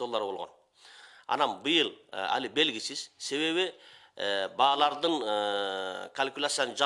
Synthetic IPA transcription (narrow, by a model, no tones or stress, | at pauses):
o̞lˠːɑɾəbo̞lˠʁon | ɑ̰nɑnbəjəlˠæ̰lɪbe̞lɡʲɪsɪz̥se̞βe̞βɪ | bɑɑlˠɑɾd̪əɴəkʰalʲkʲulʲat̪sijanəʒɑ